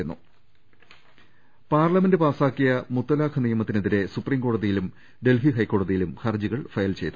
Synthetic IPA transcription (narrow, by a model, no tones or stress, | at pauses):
enːṵ | paːrlɐmendɨpaːsaːkːijɐmut̪ːɐlaːkʰɐnijɐmɐt̪ːineðiɾe̞suprimko̞ːɽɐðijilum | ɖe̞lɦiɦɐjkːo̞ːɽɐðijilumxɐrd͡ʑiɣɐɭfɐjɐlt͡ɕe̞jt̪ːu